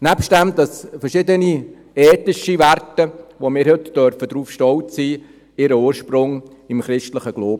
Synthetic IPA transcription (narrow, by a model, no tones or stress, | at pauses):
næpʃt̚dæmd̪ɑsfɛɾʃɪdəni | ɛːtnɪʃiværtəʋomɪːɾhʏtd̥œɾfədɾuːfʃtɔltsiː | ɪɾəuːɾʃprʊŋ | ɪmχɾɪʃtləχəɡ̥loːbə